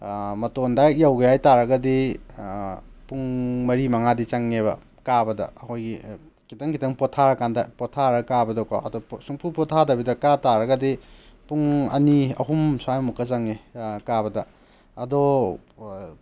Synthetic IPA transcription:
mɐtondajawɡejajtaɾɐɡɐdi | puŋmɐɾimɐŋadit͡ʃaŋnebɐ | kabɐdɐ̰ɐkʰojɡi | kitɐŋkʰitʰɐŋpɔtʰaɾɐkandɐpɔtʰaɾɐkabɐdoka̰ɐ̰dosuŋpʰupɔtʰadabidɐkataɾɐɡɐdipuŋɐ̰niɐ̰ɦumswajmukɐt͡ʃaŋːekabɐdɐ | ɐdo

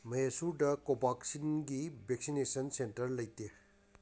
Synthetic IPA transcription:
mɐjesuɾdɐkobaksinɡibʱek̚sinesɐnsentɐɾlɐjte

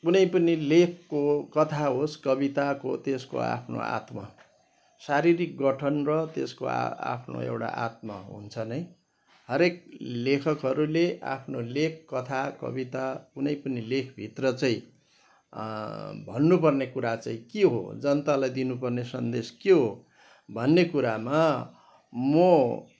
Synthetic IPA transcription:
kunʌjpʌnilekʰkokʌt̪ʰaɦoskʌbit̪akot̪esko̰a̰pʰno̰a̰t̪mʌ | saɾiɾik̚ɡʌʈʰʌnrʌt̪ḛsko̰a̰a̰pʰno̰ḛwʈa̰ʔa̰t̪̚mʌ̰ɦṵnt͡sʰʌnʌj | ɦʌɾek̚lekʰʌkɦʌɾuleʔa̰pʰnolekʰːʌt̪ʰakʌ̰bit̪akunʌjpʌnilekʰbʱit̪rʌt͡sʌĩ | bʱʌnːup̬ʌrnekuɾat͡sʌĩkeɦo̰d͡zʌnt̪alajd̪inupʌrnesʌnd̪eskeɦo | bʱʌnːekuɾama | mʌ

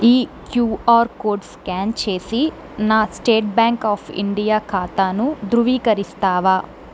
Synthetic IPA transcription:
iːkjuːaːɾkoːɖskaːnt͡ʃe̞ːsi | naːsʈeːʈ̚baːŋkaːpʰḭɳɖijaːkʰaːt̪aːnud̪ɾuʋiːkɐɾist̪aːʋaː

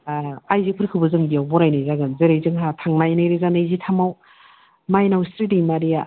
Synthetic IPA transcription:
ajzipʰɯɾkʰɯbɯzɯŋbijawbɔɾajnajzaɡɯnzɯɾejzɯŋɦatʰaŋnajnajɾezanajzitʰamaw | majnawstɾidimaɾija

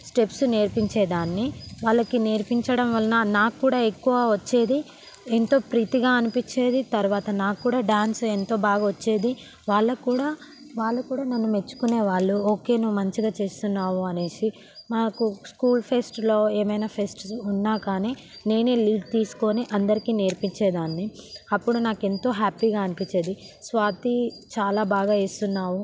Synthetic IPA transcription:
sʈe̞psne̞ːɾpiɲt͡ʃe̞ːd̪aːnːiʋaːɭːɐkineːɾpiɲt͡ʃɐɽɐmʋɐlɐnanaːuːɽaːekːuʋaːʋɐt͡ʃːe̞ːd̪i | ent̪o̞ːpɾiːt̪iɡaːɐnipiɲt͡ʃːe̞ːd̪it̪ɐɾuʋaːt̪ɐnaːkkːuːɽaːɖaːnse̞nt̪o̞ːbaːɡɐʋɐt͡ʃːe̞ːd̪i | ʋaːɭːɐkuːɽaː | ʋaːɭːɐkuːɽaːnɐnːume̞t͡ʃːu̥kuneːʋaːɭːuoːke̞ːnuʋumɐɲt͡ʃiɡaːt͡ʃe̞ːst̪unːaːwuɐneːsi | naːkuskuːlpʰe̞sʈlo̞ːeːmɐjnaːpʰe̞sʈunːaːkaːneː | ne̞ːneːliːɖ̚t̪iːsu̥ko̞ːniʔɐnd̪ɐɾikiːne̞ːɾpiɲt͡ʃeːd̪aːnːiɐpːuɽunaːke̞nt̪o̞ːɦaːpiːɡaːɐnipit͡ʃːe̞ːd̪isʋaːt̪it͡ʃaːlaːbaːɡaːeːst̪unːaːwu

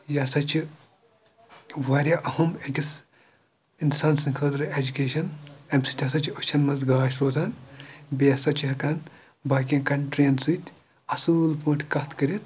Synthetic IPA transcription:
jɐsɐt͡ʃʰi | ʋaːɾʲaʔɐhumeɡʲis | insaːnsɨnkʰɐːd̪ɾɨed͡ʒukʲeːʃɐnemsit̪ʲʰɐsɐt͡ʃʰot͡ʃʰɐnmɐzɡaːʃɾoːt̪ʰɐnbijɐsɐt͡ʃʰiɦɐkɐn | baːkʲĩkɐɳʈɾeːnsɨt̪ʲ | ɐsuːlpoːʈʲʰkɐt̪ʰkɐɾit̪̚

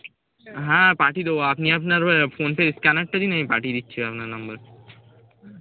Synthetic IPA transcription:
ɦãːpaːʈid̪oapniɐpnaɾfoːnpeɾɪskanɐʈ̚ʈ̪ad͡ʒinɐɦĩpa̰ːʈid̪it̪ːʃʰiɐpnaɾnɐmbəɾ

